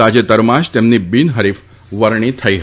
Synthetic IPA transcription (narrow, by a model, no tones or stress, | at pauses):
ad͡ʑet̪əɾmaɕt̪ɛmniːbiːnɦəɾiːf | ʋəɾɳ̃iːt̪ʰəjɦ